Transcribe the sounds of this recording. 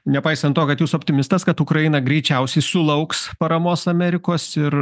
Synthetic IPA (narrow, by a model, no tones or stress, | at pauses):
nʲɛpɐɪsɐnt̪t̪oːkɐt̪juːsoːpʲt̪ʲɪmʲɪst̪ɐskɐt̪ʊkɾɐjɪnɐɡɾʲɛɪt͡ʃʲɛʊsʲɛɪsʊlˠɐʊkspɐɾɐmoːsɐmʲɛɾʲɪkoːsɪr